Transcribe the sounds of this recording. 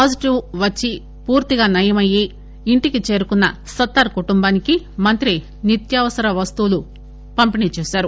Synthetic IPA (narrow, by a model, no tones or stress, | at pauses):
paːd͡ʒiʈiʋʋɐt͡ʃːi | puːɾt̪iɡaːnɐjɐmɐji | iɳʈikit͡ʃe̞ːɾukunːɐsɐt̪ːɐːɾkuʈumbaːniki | mɐnt̪ɾi | nit̪jaːʋɐsɐɾɐʋɐst̪ulu | pɐmpinit͡ʃeːsaːɾu